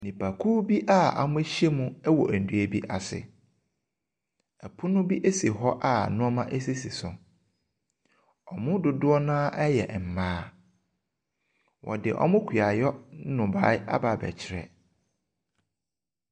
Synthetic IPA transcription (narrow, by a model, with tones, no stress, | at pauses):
nɪ̃˨pʰa˨kʰuː˦bi˦ʔa˦˨a̰˨mʊ̃˦ɕɛ˦mũ˦ɛ˦wɔ˨æ˨n̩˨du˨˦æ˨bi˦ʔa˨sɪ̰˨ | ɛ˨pʰʊ˦nʊ̃˦bi˦ʔe˦si˨ɦɔ˦ʔa˦˨nʊ̃˦ɔ˦mã˦ʔe˦s̬i˦si˨sʊ̰̃˨ | ɔ̰˨mʊ̃˦dʊ˨dʊ˦ɔ˦nãː˦ʔɛ˦jɛ̰˨ʔm̩˨mãː˦ | wʔɔ̰˨dɪ̰˨ʔɔ̰˦mʊ̃˦kʰi˨a˨jɔ˦nʊ̃˨ba̰ː˨˦ɪ˦a̰˦baː˨bɛ̰˨t͡ɕʰɪ˦˨ɾɛ̰˨